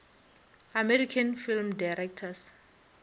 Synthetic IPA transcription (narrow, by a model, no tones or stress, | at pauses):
amɛɾikʰanfilmdajɾɛk̚tʰas